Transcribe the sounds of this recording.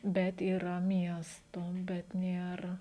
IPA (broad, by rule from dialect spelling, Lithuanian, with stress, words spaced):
ˈbʲɛt iːˈrɐ ˈmʲiɛstoː bʲɛt ˈnʲeːr